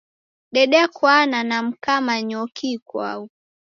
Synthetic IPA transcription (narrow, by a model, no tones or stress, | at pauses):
ɗɛɗɛakwananam̩kamaɲɔkikwa̰u